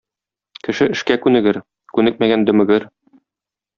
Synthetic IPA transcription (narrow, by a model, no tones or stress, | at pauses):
kɘ̆ʃɘɘ̆ʃkækʉnɘ̆ɡɘɾ | kʉnɘk̚mæɡænd̪ɵ̆mɵ̆ɡɘɾ